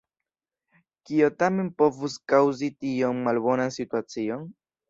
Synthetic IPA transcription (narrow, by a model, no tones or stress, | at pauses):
kiotame̞npo̞vuskawzitionmalbo̞nansituat͡sio̞n